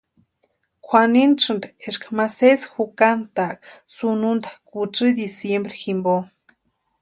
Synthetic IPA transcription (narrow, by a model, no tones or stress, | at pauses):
kʷʰwaninʈ͡ʂɨnd̪aeʂkamasesxukant̪aksunund̪ḁkuʈ͡ʂɨd̪isjembɾiximbo